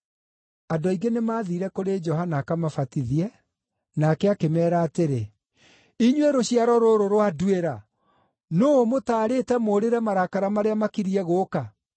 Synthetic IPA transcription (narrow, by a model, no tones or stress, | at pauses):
adɔiɡenemaːðiɾɛkoɾed͡ʒɔɦanakamafatiðiɛ | nakɛakemɛːɾaːteɾe | iɲwɛɾoɕiaɾɔɾoɾoɾoadweɾa | nomotaːɾetɛmoːɾeɾɛmaɾakaɾamaɾeamakiɾiɛɣoːka